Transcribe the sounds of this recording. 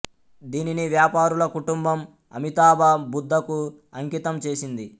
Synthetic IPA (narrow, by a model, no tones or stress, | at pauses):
d̪iːniniʋjaːpaːɾulɐkuʈumbɐm | ɐ̰mit̪aːbaːbud̪ʱːɐku | ɐŋkit̪ɐmt͡ʃe̞ːsind̪i